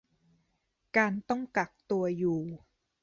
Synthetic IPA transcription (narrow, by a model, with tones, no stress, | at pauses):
kaː˧nt̪ɔ˥˩ŋka˨˩k̚t̪u˧ɐjuː˨˩